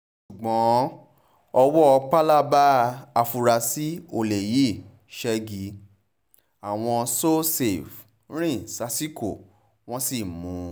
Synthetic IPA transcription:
ʃu˨ɡ͡bɔ̃˨˦ | ɔ˧wɔ˦ɔ˧k͡pa˦la˦ba˦a˧fu˧ɾa˧si˦o˧˨le˨ji˨˦˨ | ʃɛ˧ɡi˧ | a˨w̃ɔ̃˧so˦se˨f | ɾ̃ĩ˦sa˧si˦ko̰˦˨ | w̃ɔ̃˦si˦˨mũ˨˦

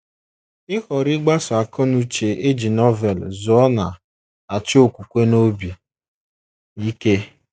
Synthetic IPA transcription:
ɪ˦xɔ˨ɾɪ˦ɡ͡ba˦sʊ˨a˨kɔ˦nu˨t͡ʃe˨e˦d͡ʒi˨nɔ˦vɛ˨lzʊ˨ɔ˦na˨ | a˨t͡ʃɪ˦o˨kʷu˨kʷe˦no˦bi˨ | i˦ke˦

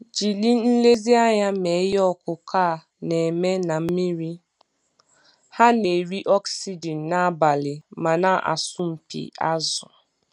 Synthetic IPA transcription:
d͡ʒi˨li˦n̩˦le˦zi˦a˦ja˦me˨˦jɔ˦˨kʊ˨kʰa˦˨ | ne˨me˦na˨m̩˦mi˦ɾi˦ | ha˦ne˨ɾi˦ʔɔ˦ksi˦d͡ʒi˨nː˨a˦ba˨lɪ˨ma˨na˦ʔa̰˨sʊ˦m̩˨pḭ˨a̰˦zʊ˨

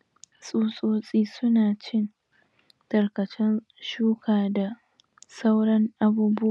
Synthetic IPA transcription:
sʼuː˦sʼoː˦sʼiː˦sʊ˦naː˨t͡ʃɪ˦n | tɐ˨rkɐ˨t͡ʃɛ˦n | ʃuː˦kʰaː˨da˨ | sa˦wɽɐ˦ŋʔa˦buː˦bʊ˦ʔa˨

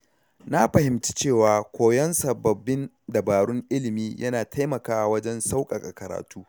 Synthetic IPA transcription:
na˦ɸɐ˨hɪ˨mt͡ʃi̥˦t͡ʃeː˦˨waː˨kʷoː˨jɔ˦nsɐ˨bːɐ˨bːɪ˦n | dɐ˨baː˨ɽʊ˦ŋʔɪ˦lɪ˨miː˦jʔɐ̰˦naː˨tʰa˦jmɐ˨kaː˦wɐ˦d͡ʒɛ˦nsa˦wkʼɐ˨kʼɐ˨kɐ˨ɾa̰ː˨tuː˦

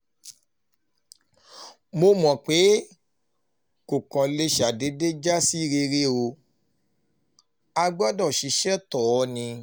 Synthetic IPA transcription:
mo˧mɔ̃˨k͡pe˨˦ | ko˨kã˨le˧ʃa˨de˨˦de˦d͡ʒa˦si˦˨ɾe˧ɾe˦o˧ | a˧ɡ͡ba˦dɔ˦˨ʃi˨˦ʃɛ˦tɔ˨ɔ˨˦nĩ˧

